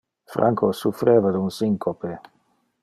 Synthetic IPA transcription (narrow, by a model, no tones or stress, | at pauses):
fɾa̰ŋkosufɾeːvad̪unsiŋkope